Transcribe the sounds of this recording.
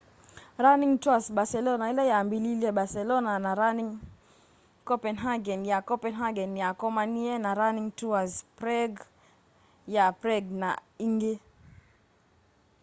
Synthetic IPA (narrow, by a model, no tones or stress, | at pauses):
ɾaniŋtuasɓasɛlɔnailɛjambililɛɓasɛlɔnanaɾaniŋ | kɔpɛnɦaɡɛnjakɔpɛnɦaɡɛnjakɔmaniɛnaɾaniŋtuazpɾɛɡ | japɾɛɡna̰iŋɡɛ